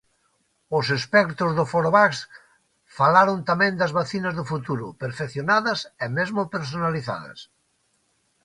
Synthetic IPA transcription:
ʊsespɛkt̪ʊzðʊfoɾoβaks | falaɾont̪amẽnd̪ɐzβaθinɐzðofut̪uɾʊpeɾfekθjonaðɐsemezmopeɾs̬onaliθa̰ðɐ̰s

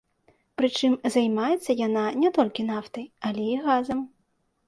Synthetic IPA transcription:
pɾɨt͡ʂɨmzajmajɛt̪sːɐjan̪anʲɛt̪ɔlʲkʲinaft̪ɐjɐlʲɛiɣazɐm

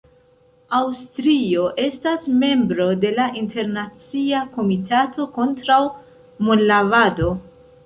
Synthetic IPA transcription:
awstɾio̞ʔe̞stasme̞mbɾo̞de̞laʔinte̞ɾnat͡siako̞mitato̞ko̞ntɾaw | molːavado̞

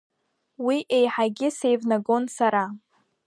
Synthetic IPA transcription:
wiʔe̞jħaɡʲɪse̞jvnaɡo̞nsaɾa

